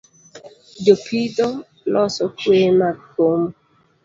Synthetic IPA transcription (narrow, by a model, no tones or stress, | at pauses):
d͡ʒopʰido | lɔsɔkwemakom